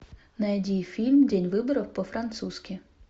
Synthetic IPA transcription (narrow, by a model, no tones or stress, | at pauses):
nɐɛdʲijfʲilʲmdʲɛnʲʋɪbɔɾɔwpɔfɾɐnt̪suskʲi